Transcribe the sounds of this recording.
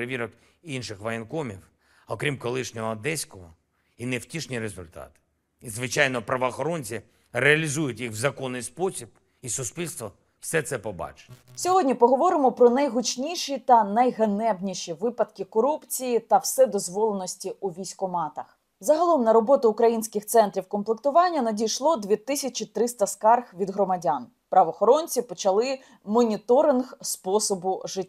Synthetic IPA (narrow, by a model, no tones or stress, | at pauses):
ɾeʋʲiɾɔk | inʃɪxʋɐjɪnkɔmʲiw | ɔkɾʲimkɔlˠɪʃnʲɔɦɔd̪ɛsʲkɔɦɔ | inewtʲiʃnʲiɾezʊlʲt̪ɑ̰t̪ɪ̥ | izʋɪt͡ʃɑjnɔpɾɐʋɔːxɔɾɔnʲt͡sʲi | reɐlʲizujʊtʲjixwzɐkɔnːɪjspɔsʲib̥ | isʊspʲilʲst̪ʋɔ | w̥sɛt̪sɛpɔbɑ̰t͡ʃe̥nʲɛsʲɔɦɔdʲnʲipɔɦɔʋɔɾɪmɔpɾɔnɐjɦʊt͡ʃnʲiʃit̪ɐnɐjɦɐnɛbnʲiʃiʋɪpɐd̪kʲɪkɔɾupt͡sʲijit̪ɐwsɛd̪ɔzʋɔlˠenɔsʲtʲiuʋʲijsʲkɔmɑt̪ɐx | zɐɦɐlˠɔmnɐɾɔbɔt̪ʊʊkɾɐjinʲsʲkɪxt̪sɛnt̪ɾʲiwkɔmplˠekt̪ʊʋɑnʲːɐnɐdʲijʃlˠɔd̪ʲʋʲit̪ɪsʲɐt͡ʃit̪ɾɪst̪ɐskɑrxʋʲid̪ɦɾɔmɐdʲan | pɾɐʋɔːxɔɾɔnʲt͡sʲipɔt͡ʃɐlˠɪ | mɔnʲit̪ɔɾɪnɣspɔsɔbʊʒɪ